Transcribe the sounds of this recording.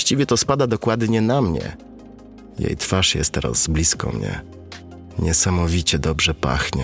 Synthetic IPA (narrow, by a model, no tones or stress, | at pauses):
ɕt͡ɕivʲjɛt̪ɔspad̪ad̪ɔkwad̪ɲɛnamɲɛ̰ | jḛjt̪faʂjɛst̪ɛɾa̰zblʲiskɔ̰mɲɛ̰ | ɲɛsamɔvʲit͡ɕɛd̪ɔbʐɛpa̰xɲɛ